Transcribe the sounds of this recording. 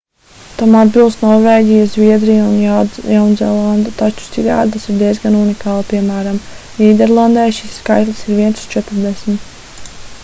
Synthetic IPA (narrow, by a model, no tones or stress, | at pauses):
t̪amad̪bilˠst̪nɔɾvɛːɡʲijazvʲiɛd̪ɾijunjawnzɛ̰lˠand̪at̪at͡ʃu̥sikɡa̰ːd̪asiɾd̪ɛzɡanunikaːlˠpiɛmæːɾam | niːd̪ɛɾlˠand̪ɛjʃisːkajt̪lʲˠi̥siɾviɛnsst͡ʃɛt̪ɾd̪ɛsmʲt̪